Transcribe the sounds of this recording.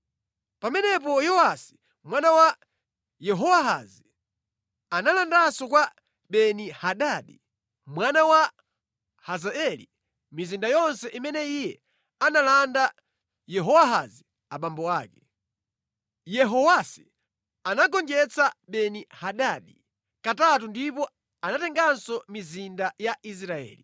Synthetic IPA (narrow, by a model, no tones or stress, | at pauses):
pamɛnɛp̬ɔjɔwasi̥ | mwanawa | jɛɦɔwaɦazi | analandasɔkwa | ɓɛnihaɗaːɗi | mwanawa | hazaɛlḭ | mizindajɔnsɛʔimɛnɛijɛ | analanda | jɛɦɔwaɦa̰zi | aɓambɔaːkɛ | jɛɦɔwasi̥ | anaɡɔnd͡ʒɛt͡sʰaɓɛnihaɗaɗi | katatundipɔ | anatɛŋɡansɔmizindajaʔis̬ɾaɛ̰ːli